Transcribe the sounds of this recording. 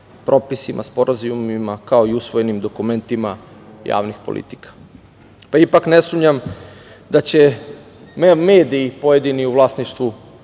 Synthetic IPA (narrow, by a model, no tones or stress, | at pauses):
pɾʔo̞pisimʔa̰spoɾazimimakaoiusʋojenimd̪o̞kume̞nt̪imaja̰ːʋnixpolʔḭt̪i̥kḁ | paipaknesuːmɲam | d̪at͡ɕe | meːd̪iːpoje̞d̪iniuvlˠaːsniʃt̪ʋu